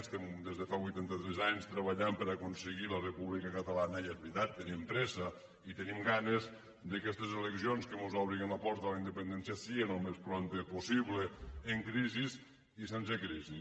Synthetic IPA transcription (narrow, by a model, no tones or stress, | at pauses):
st̪ɛmd̪ezðəfaβujt̪ant̪ət̪ɾɛzaɲst̪ɾəβaʎampəɾakunsəɣilərepuβlikəkət̪əlanəjezβɾit̪at̪ːənimpɾɛsə | it̪ənimɡanez | d̪əkɛst̪ezeleksionskəmuzɔβɾiɣənləpɔɾt̪əlaind̪əpənd̪ɛnsjasiɣenəlˠmespɾont̪epusiβleːŋkɾiziz | isensekɾizi